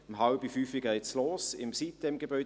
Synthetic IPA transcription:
əmɦɑlbifyːfiɡɛjsloːsɪ̰msit̪̚dɛmɡebœʏ

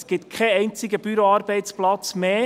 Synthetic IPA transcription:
sɡ̥ɪt̪kʰɛɛɪnt͡sɪɡəb̥yɾoɑːɾb̥ɛɪtt͡splɑt͡smeː

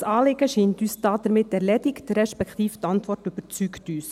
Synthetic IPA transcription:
sɑːlɪɡəʃiːntyːsd̥ɑːd̥̪əɾmɪtːɛɾlɛdɪkd̥əɾɛʃpɛkt̪iːft̪ɑntʋɔrtʏb̥ət͡syktyːs

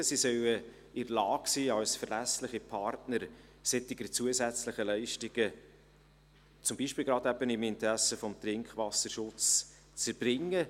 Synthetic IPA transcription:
sisœwə | ɪɾlɑːksiːɑwsfəɾlæslɪχipʰɑrtnəɾ | sɛtɪɡət͡suəsæt͡sləχəlɛɪʃtɪɡ̥ə | t͡sʊmbiʃpiːlɡɾɑːd̪æb̥ənɪmɪnt̪ɾæsəfɔmt̪ɾɪŋkχʋɑsəɾʃʊt͡s | t͡səɾb̥ɾɪŋːə

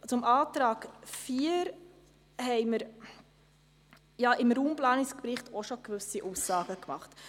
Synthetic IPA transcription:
t͡sʊmʔɑːtɾɑːɡfiːəɾ | hɛɪməɾ | jɑʔɪmɾuːmplɑːnɪskpɾɪχtʰɔʃokʋʏsiʔuːsːɑːɡ̥əkmɑχt

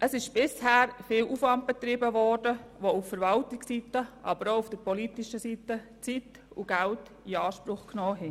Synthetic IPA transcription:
ʔəsɪʃb̥ɪshɛːɾfɪːlufvɑnt̚b̥ɛt̪ɾɪbəvɔrdəʋouffəɾvɑltɪksitəʔɑbəɾoufd̥əɾpɔliːtiʃəsitət͡sit | uɡ̥ælt | iɑːʃpɾʊχknɔːɦɛ

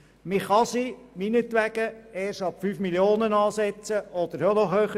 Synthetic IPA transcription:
mɪχɑsiminətʋæɡəɛːʃɑpfyːfmiljoːnənɑːsɛt͡səɔd̥̪əɾjonɔχhøːχə

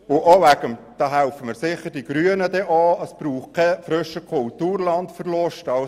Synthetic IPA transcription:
ʊʔoʋæɡ̥əmd̥ɑːɦæʊfəmɪːɾsɪχəɾdiɡ̥ɾyənədɛʔɑːəsb̥ɾuːχkʰɛfɾʏʃəkʰʊltuːrlɑntfəɾlʊʃtɑl

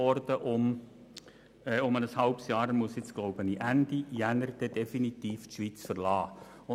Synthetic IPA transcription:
ɔɾdəʔʊm | ɛːʊmənəshɑlpsjɑːɾəmusɪt͡sɡ̥loʊbəniʔænd̥ijænəɾd̥̪ɛd̥efinitiːftʃʋit͡sfərlɑː

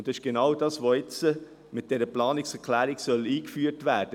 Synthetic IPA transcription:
ndɑsɪʃɡ̥enɑwdɑːsʋoɪt͡sə | mɪt̚d̥ɛɾəplɑːnɪksɛɾkʰlæːɾɪksœliːkfyːɾtʋæːɾd̥ə

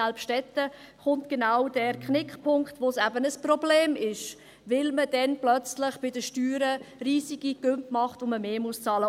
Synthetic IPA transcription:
alpʃtɛtə | χʊntɡ̥enawd̥ɛːɾkχnɪkχpʰʊŋktʋosæbənəsprɔbleːmɪʃ | vɪlmədɛnplœt͡slɪχb̥ɪdəʃtyːɾəɾiːziɡiɡ̥ʏmpmɑχtʋoməmeːmʊst͡sɑːlə

